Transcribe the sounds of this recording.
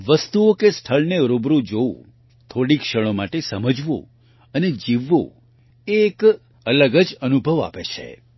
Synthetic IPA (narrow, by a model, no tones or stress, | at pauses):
ʋəst̪uokest̪ʰəɭneɾobɾũd͡ʒoũ | t̪ʰoɽikʃəɭ̃omaʈesəməd͡ʒʋo̰ | əned͡ʒiʋːo̰ | ek | ələɡəd͡ʒənubʱəʋa̰pet͡ʃʰḛ